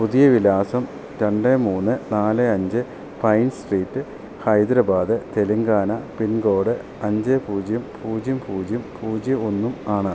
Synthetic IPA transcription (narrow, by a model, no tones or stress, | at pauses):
puðijɐʋilaːsɐm | ɾeɳɖemuːnːɨnaːlɨɐɲd͡ʑɨ | pɐjnsʈriːtːɨ | hɐjd̪ɾɐbaːd̪ɨt̪e̞liŋɡaːnɐpinɡo̞ːɽɨ | ɐɲd͡ʑepuːd͡ʑjumpʰuːd͡ʑjumpʰuːd͡ʑjumpʰuːd͡ʑionːumaːɳɐ